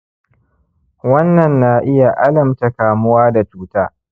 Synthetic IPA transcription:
wɐ˦nːɐ˨nːaː˨ʔɪ˦ja˨ʔa˦lɐ˨mta˨kaː˨mʊ˦waː˦da˨tuː˦taː˦

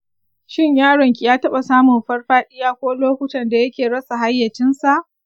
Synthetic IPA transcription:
ʃɪ˦˨ɲjaː˦ɽɐ˨ŋkʲi˨jaː˦tɐ˦ɓa˨saː˦mʊ˨mɸɐ˦rɸaː˦ɗɪ˦jaː˦kʷoː˦loː˦kʷʊ˦tɐ˨nda˨jɐ˦kʲeː˨ɽɐ˦sa˨ɦa˦jːɐ˨t͡ʃɪ˦nsa˨ʔ

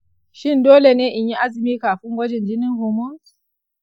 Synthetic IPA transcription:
ʃɪ˦ndoː˦le˨neː˦ʔɪ˨ɲji˦ʔa˦zɪ˨miː˦kaː˨ɸɪ˦ŋɡʷɐ˦d͡ʒɛ˨nd͡ʒɪ˦nɪ˦ŋhʊ˨mo˦

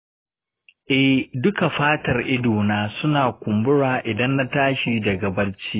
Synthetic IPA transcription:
ʔɛ˦hdʊ˦ka˨ɸaː˦tɐ˨rʔɪ˦duː˨naː˦sʊ˦naː˨kʷʊ˨mbʊ˦ɽaː˨ʔɪ˨dɐ˦nːa˦taː˦ʃiː˦da˨ɡɐ˨bɐ˦rt͡ʃiː˦ʔ

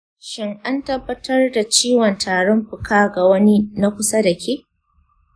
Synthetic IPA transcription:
ʃɪ˦ŋʔa˦ntɐ˦bːɐ˦tɐ˦rda˨t͡ʃiː˦wɔ˨ntʰaː˨ɽɔ˦mɸʊ˨kʰaː˦ɡa˨wɐ˦ni˦na˦kʷʊ˦sa˦da˨kʲe˦ʔ

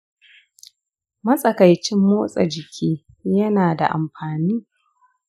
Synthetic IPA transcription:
mɐ˦sʼɐ˨kɐ˨jt͡ʃɪ˦mːoː˦sʼɐ̰˨d͡ʒɪ˨kʲʰiː˦ | jɐ˦naː˨da̰˨ʔa˨mɸaː˨niː˦

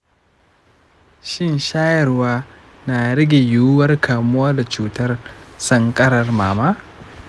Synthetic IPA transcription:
ʃɪ˦nʃaː˦jɐ˨rwaː˦ | naː˨ɽɪ˦ɡʲe˨jʊ˦ʊ˦wɐ˦rkʰaː˨mʊ˦waː˦da˨t͡ʃuː˦tɐ˦rsɐ˦ŋkʼɐ˦ɽɐ˨rmaː˨maː˦

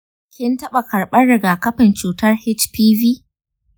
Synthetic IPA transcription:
kʲɪ˦ntɐ˦ɓa˨kɐ˨ɽɓɐ˦rɽɪ˨ɡaː˨kɐ˦ɸɪ˨nt͡ʃuː˨tɐ˦rhɪ˦t͡ʃpiː˦viː˦

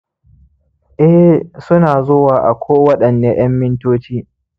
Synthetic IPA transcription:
ʔɛ˦sʊ˦naː˨zoː˦waː˨ʔa˨kʷʰoː˦wɐ˦ɗɐ˨nːeː˦j̰ɐ˦mːɪ˦ntoː˦t͡ʃiː˦

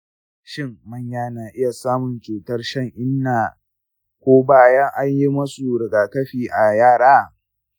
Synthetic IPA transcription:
ʃɪ˦ŋmɐ˦ɲjaː˦naː˨ʔɪ˦ja˨saː˦mʊ˨nt͡ʃuː˨tɐ˦rʃɐ˦˨ŋʔɪ˦nːaː˨ | kʷoː˦baː˦˨jɐ˦ŋʔa˦ɲji˦mɐ˦su˨ɽɪ˨ɡaː˨kɐ˦ɸiː˨ʔa˨jaː˦˨ɽaː˦

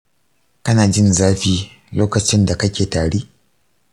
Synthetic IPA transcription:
kɐ˦naː˨d͡ʒɪ˦nzaː˦ɸiː˦ | loː˦kɐ˨t͡ʃɪ˦nda˨kɐ˦kʲeː˨taː˨ɽeː˦

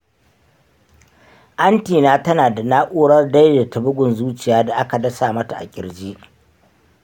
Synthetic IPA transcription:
ʔa˦ntiː˨naː˦tɐ˦naː˨da˨naː˦ʔʷuː˦ɽɐ˦rda˦jda˨tɐ˨bʊ˦ɡʷʊ˨nzuː˦t͡ʃɪ˨jaː˦da˨ʔa˦ka˨dɐ˦saː˨mɐ˦ta˨ʔa̰˨kʲʼɪ˨ɽd͡ʒiː˦ʔ

